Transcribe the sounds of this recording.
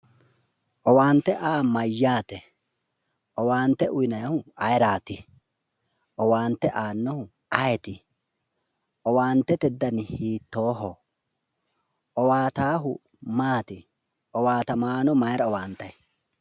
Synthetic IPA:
ʔɔwaːnt̪ːɛʔaːmɐjːaːt̪ɛ | ɔwaːnt̪ːɛʔʊjɪnɐjhʊɐjɾaːt̪ɪ | ɔwaːnt̪ːɛʔaːnːɔhʊ | ɐjɛt̪ɪ | ɔwaːnt̪ːɛt̪ɛd̪ːɐnɪhiːt̪ːoːɦɔ | ɔwaːt̪aːɦʊ | maːt̪ɪ | ɔwaːt̪ɐmaːnɔmɐjɾɐɔwaːnt̪ːɐj

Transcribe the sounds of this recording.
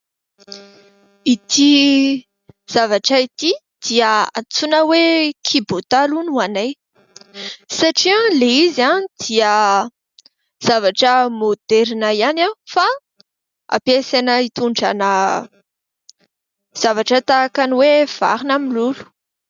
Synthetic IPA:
it̪i | z̥avaʈ͡ʂəit̪i | d̪̥iəa̰t͡sunəwekʰibot̪alunuanaj | saʈ͡ʂialeizanid̪̥iə | z̥avaʈ͡ʂəmod̪̥ɛɾinaianafa | a̰pesanəit̪uɳɖ͡ʐa̰nə | z̥avaʈ͡ʂət̪akaniwev̥a̰ɾinamilulu̥

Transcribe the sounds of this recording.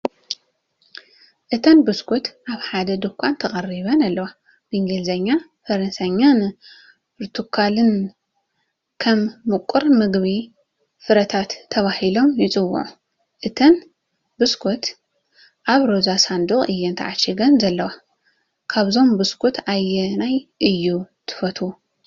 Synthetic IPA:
ʔɨt̪ʰɐnbɨskʰut̪ʔaβħad̪ɐd̪ɨkʷʰʼant̪ʰɐχʼɐriβɐnalːɐwa | bɨɨŋɡelzɐɲːa | fɐɾɐnsaɲːan | pʰɨɾt̪ʰukʰalɨn | kʰɐmːɨkʷʼːuɾmɨɡβi | fɨɾɐt̪ʰat̪ʰːɐβahilo̞mjɪt͡sʼɨwːṵʕu | ʔɨt̪ʰɐn | bɨskʰot̪ | ʔaβɾozasand̪uχʼɨjːɛnt̪ʰa̰ʕat͡ʃːiɡɐnzɐlːɐwa | kʰaβzo̞mbɨskʰot̪ʰajɛnajʔɨjːut̪ʰɨ̥fɐt̪ʰu

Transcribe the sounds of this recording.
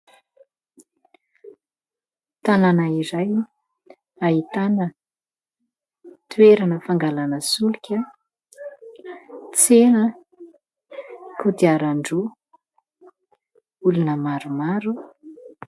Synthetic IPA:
t̪ananaiɾaj | aɦit̪anə | t̪ueɾanəfaŋɡalanəsulikʲə | t͡senə | kʰud̪iaɾaɳɖ͡ʐu | ulunəmaɾumaɾu

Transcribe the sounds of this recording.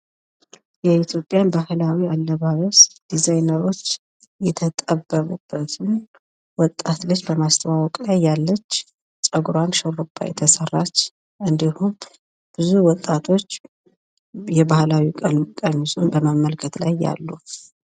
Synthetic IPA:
jɛit̪ʰjo̞pʼjanbahlawialːəβaβəsd̪̥izajnəɾo̞t͡ʃː | jɛt̪ʰət̪ʼəbːəβubːət̪ʰɨn | wɔt̪ʼːat̪lɨt͡ʃːbəmast̪ʰəwawɔkʼlajːalːət͡ʃː | t͡ʃʼəɡɾanʃəɾupʼːa̰jɛ̰t̪ʰəsərːat͡ʃː | ʔɨnd̪ihu | b̥ɨzuwɔt̪ʼːat̪ʰo̞t͡ʃː | jɛbahlawikʼənukʼənːusʼunbəmamːəlkʰət̪lajːa̰lːu

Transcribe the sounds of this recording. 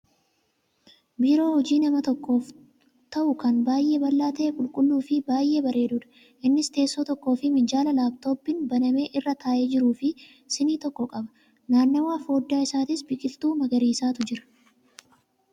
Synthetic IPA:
biːɾo̞ːhɔd͡ʒiːnɐmɐt̪ɔkːo̞ːf | t̪ɐʔʊkɐnbaːjʔe̞ːbɐlːaːt̪eːkʼʊlkʼʊlːuːfɪbaːjʔe̞ːbɐɾʔe̞ːd̪ʊᶑɐ̥ | ʔɪnːɪst̪e̞ːsːoːt̪ɔkːo̞ːfɪmɪd͡ʒaːlɐlaːbt̪o̞ːbːɪnbɐnɐme̞ːʔɪrːɐt̪aːʔe̞ːd͡ʒɪɾuːfɪ | sɪniːt̪ɔkːɔkʼɐbɐ | naːnːɐwaːfo̞ːd̪ːaːɪsaːt̪ɪsbɪkʼɪlt̪uːmɐɡɐɾiːsaːt̪ʊd͡ʒɪɾɐ̥

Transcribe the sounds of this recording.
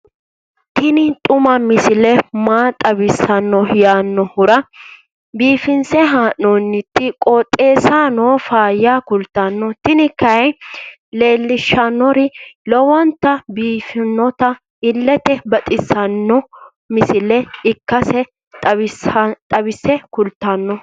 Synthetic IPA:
t̪ɪnɪt̪ʼʊmɐmɪsɪlɛmaːt̪ʼɐbɪsɐnːɔjaːnːɔhʊɾɐ | biːfɪnsɛɦaːʔːɔnːɪt̪ːɪkʼɔt̪ʼːe̞ːsaːnoːfaːjːaːkʊlt̪ːɐnːɔt̪ɪnɪkːɐj | le̞ːlːɪʃːɐnːɔɾɪlɔwɐnt̪ːɐbiːfɪnːɔt̪ɐ | ɪlːɛt̪ɛbɐt̪ʼɪsɐnːɔ | mɪsɪlɛɪkːɐsɛ | t̪ʼɐɪt̪ʼɐbɪsɛkʊlt̪ːɐnːɔ

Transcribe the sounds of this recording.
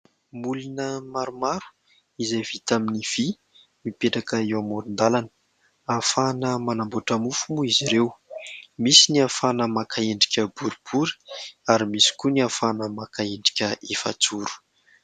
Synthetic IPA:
mulinəmaɾumaɾu̥ | izajv̥it̪aminiv̥i | mipeʈ͡ʂakəewamoɾind̪alanə̥ | afanəmanamboʈ͡ʂəmufumuiziɾewmisiniafanəmakʰaeɳɖ͡ʐi̥kʲəbuɾib̥uɾi̥aɾimisi̥kuniafanəmakaeɳɖ͡ʐi̥kʲəefa̰t͡suɾu̥

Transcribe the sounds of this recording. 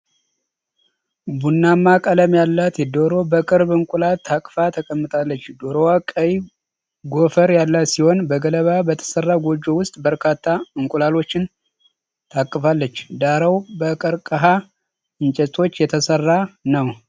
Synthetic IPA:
bunːamːakʼələmjalːat̪jɛd̪oɾo̞bəkʼɨɾbɨŋkʷʼulalt̪ʰːakʼfat̪ʰəkʼəmːɨt̪ʼalːət͡ʃːd̪o̞ɾowakʼəj | ɡo̞fəɾjalːasiho̞nbəɡələβabət̪ʰə̥sərːaɡod͡ʒːo̞wʊst̪ʼbəɾkʰat̪ʰːaɨŋkʼulalo̞t͡ʃːɪn | t̪ʰakʼːɨfalːət͡ʃːd̪aɾəwbəkʼəɾkʼəɦa | ɨnt͡ʃʼɛt̪ʼʰo̞t͡ʃːjɛt̪ʰəsərːanəw

